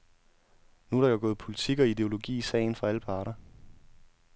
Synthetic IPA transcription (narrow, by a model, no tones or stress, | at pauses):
nuhɑ̈jaɡ̥ɔ̽ːð̩ˠpʰo̝lit͡sʰiɡ̥ɒ̽id̥e̝o̝lo̝ɡ̥ḭːisɛ̰ɪn̩fɑ̈æləpʰɑ̈ːɾ̥ɐ